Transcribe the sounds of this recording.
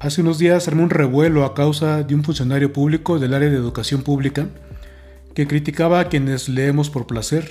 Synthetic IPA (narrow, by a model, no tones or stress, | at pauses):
aseuno̞zðiaseɾmonre̞βwe̞lo̞akawsaðeunfunsjo̞naɾjo̞puβliko̞ðe̞laɾjaðeːðukasjo̞mpuβlika | ke̞kɾit̪ikaβaːkje̞ne̞zle̞emo̞spo̞ɾplase̞ɾ